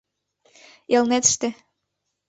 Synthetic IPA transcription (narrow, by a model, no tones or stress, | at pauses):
elˠnet̪ʃt̪ĕ